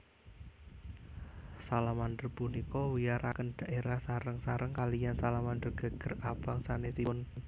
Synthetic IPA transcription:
salamand̪ərpunikɔwijaɾʔakənd̪̥a̤ʔeɾahsaɾəŋsaɾʔəŋkalijansalamandərɡ̥a̤ɡ̥ə̤rabaŋsanesiʊn

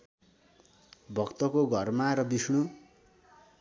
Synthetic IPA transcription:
bʱʌkt̪ʌkoɡʱʌrmaɾʌbisɽ̃u

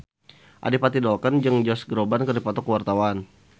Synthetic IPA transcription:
ʔa̰dipat̪idɔlkand͡ʒəŋd͡ʒɔsɡɾobankərdipɔt̪ɔkəwart̪awan

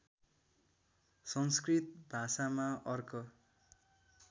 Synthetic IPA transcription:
sʌnskrit̪̚bʱasamaʌrkʌ

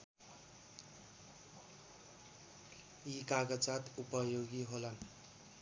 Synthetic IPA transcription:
ikaɡʌt͡sat̪upʌjoɡiɦolan

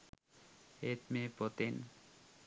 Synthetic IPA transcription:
et̪mepot̪en

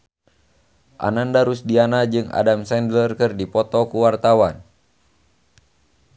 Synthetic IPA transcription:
ʔa̰nandaɾusdianad͡ʒɨŋa̰damsɛndlərkɨrdipɔt̪ɔkuwart̪awan

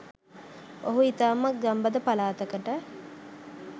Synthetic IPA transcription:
oɦuit̪aːmak̚ɡambəd̪əpalaːt̪əkəʈə

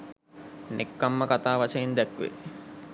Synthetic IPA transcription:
nekːamːəkat̪aːʋaʃɐjind̪ɛkʋḛ

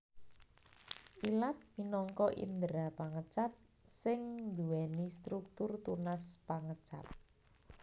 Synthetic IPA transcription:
ilat̪̚minɔŋkɔʔḭnd̪ɾapaŋət͡ʃap̚ | sɪŋd̪uɛnist̪ɾuk̚t̪ʊrt̪unaspaŋət͡ʃa̰p̚

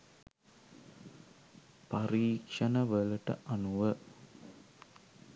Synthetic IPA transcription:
paɾiːkʂɐnəʋələʈə̰ʔanuʋə

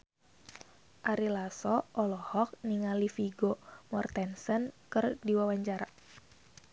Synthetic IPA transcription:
ʔaɾilasɔʔɔlɔhɔk̚niŋalifiɡomɔrt̪ɛnsənkɨrdiwawaɲt͡ʃaɾa

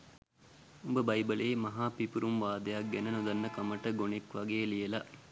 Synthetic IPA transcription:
umbəbɐjbəleːmɐɦaːpipuɾumʋaːd̪ɐjɐk̚ɡɛnənud̪ɐnːəkɐməʈəɡonikʋɐɡeːlijelɐ

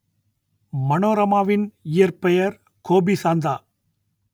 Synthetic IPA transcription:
mɐnoːɾɐmaːʋɪnɪjɐɾpɐjɐɾ | koːbisaːnd̪a̰ː

